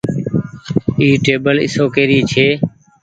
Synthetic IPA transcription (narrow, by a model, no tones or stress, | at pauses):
iːʈeːbəlɪ̰soːkeːɾiːt͡ʃʰeː